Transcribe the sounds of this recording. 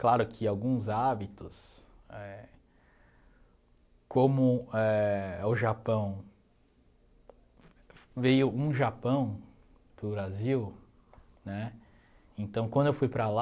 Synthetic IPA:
klaɾʊkʰɪawɡũzabit̪ʊs | ɛ | kõmʊɛʊʒapɐ̃w̃ | vejʊʔũʒapɐ̃w̃ | pɾʊbɾaziw | nɛ | ẽt̪ɐ̃w̃kʷwɐ̃nd̪ʊewfujpɾala

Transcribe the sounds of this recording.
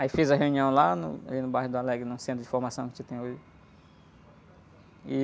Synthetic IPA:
aifezɐɦeũniɐ̃w̃lanʊ̰a̰linʊbajɦʊd̪ʊalɛɡɾɪnũsẽt̪ɾʊd͡ʒɪfoɾmasɐ̃w̃kɪ̥set̪ẽj̃oʒɪ | i

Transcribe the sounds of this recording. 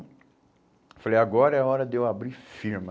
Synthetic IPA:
falejaɡɔɾɐɛaɔɾɐd̪ewabɾiɾfiɾmɐ

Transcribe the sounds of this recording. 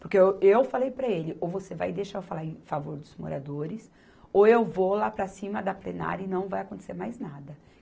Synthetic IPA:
poɾkeewfalejpɾɐelɪʔowvoseva̰jd̪eʃaʊfalaɾẽfavoɾd̪ʊzmo̰ɾa̰d̪oɾɪs | oewvolapɾɐsĩmɐd̪ɐplena̰ɾɐɪnɐ̃w̃vajakõt̪eseɾmajznad̪ɐ

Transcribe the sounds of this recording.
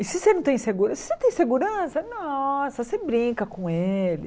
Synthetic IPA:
ɪsɪsenɐ̃w̃t̪ẽj̃seɡuɾsɪ̥sẽt̪ẽj̃seɡuɾɐ̃sɐnɔsɐsebɾĩkɐkõelɪ̰

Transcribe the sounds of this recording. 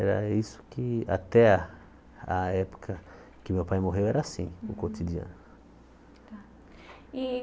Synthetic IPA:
ɛɾɐ̰isʊ̥kɪa̰t̪ɛa | aɛpo̥kʰɐ | kɪmewpajmoɦewɛɾɐsĩʊ̰kot̪idiɐ̰̃nʊ | i

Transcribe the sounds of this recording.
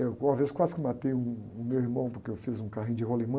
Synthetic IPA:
ewũɐvezkwazɪkɪmat̪ejũːmewiɾmɐ̃w̃pʊɾkeewfizũkaɦĩj̃d͡ʒɪɦolimɐ̃

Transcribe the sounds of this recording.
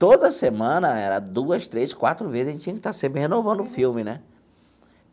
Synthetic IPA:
t̪od̪ɐsemɐ̃nɐɛɾɐd̪uɐst̪ɾeskwat̪ɾʊvezɐẽt͡ʃt͡ʃĩɐkɪt̪asẽmpɾɪhenovɐ̃nd̪ʊfiwmɪnɛ

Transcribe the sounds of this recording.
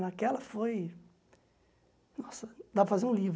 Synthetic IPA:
nakɛlɐfoj | nɔsɐd̪apɐfazeɾũliv

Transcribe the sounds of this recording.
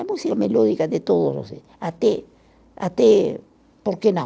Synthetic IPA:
amusiameloðikaðet̪oðorose | at̪e | a̰t̪e | poɾkenõ

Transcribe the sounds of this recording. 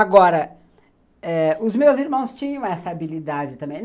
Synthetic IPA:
aɡɔɾɐ | ɛʊzmewziɾmɐ̃w̃st͡ʃĩɲɐ̃w̃ɛsɐabilid̪ad͡ʒɪt̪ɐ̃mbẽj̪̃

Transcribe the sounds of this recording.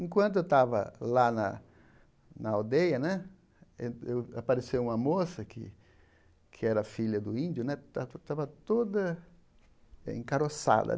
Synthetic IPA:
ẽkwɐ̃nt̪ʊewt̪avɐ̰lanɐ̰ | nɐawd̪ejɐnɛ̃ | ẽewapaɾesewũmɐmosɐkʰɪ̰ | kʰɪɛɾɐfiʎɐd̪ʊĩnd̪jʊnɛt̪at̪avɐt̪od̪ɐ | ḛ̃ŋkaɾosa̰d̪ɐ̰

